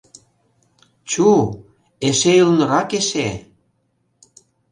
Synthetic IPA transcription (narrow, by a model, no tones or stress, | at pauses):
t͡ɕu | eʃeylnɤ̆ɾɑkeʃe